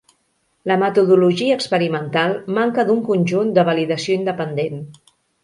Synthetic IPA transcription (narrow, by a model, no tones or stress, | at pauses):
ləmət̪uðuluʒiəːkspəɾimənt̪alˠmaŋkəðuŋkunʲʒund̪əβəliðəsioind̪əpənd̪en